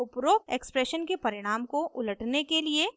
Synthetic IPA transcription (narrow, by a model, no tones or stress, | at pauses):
ʊpɾoːk̚eːkspɾɛʃənkepɐɾɪɽ̃aːmkoʔʊləʈnekelie